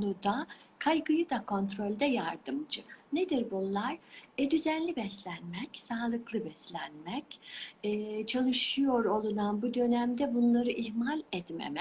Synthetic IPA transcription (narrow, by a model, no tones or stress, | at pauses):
nud̪akʰajɡɯjɯd̪akʰo̞nt̪ɾo̞lʲd̪ɛjaɾd̪ɯmd͡ʒɯned̪iɾbunlˠaɾ̥ɛd̪yzænlʲibɛslʲænmɛcsaːlˠɯklˠɯbɛslʲænmɛcɛːt͡ʃʰalˠɯʃɯjo̞ɾo̞lˠunanbud̪ø̞næmd̪ɛbunlˠaɾɯʔiɦmalʲɛt̪mḛmɛ